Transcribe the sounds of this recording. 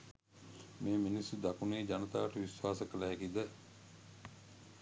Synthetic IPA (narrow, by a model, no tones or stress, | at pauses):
meːminisjud̪akuneːd͡ʒanət̪aːʋəʈəʋisʋaːsəkəlaːkid̪ə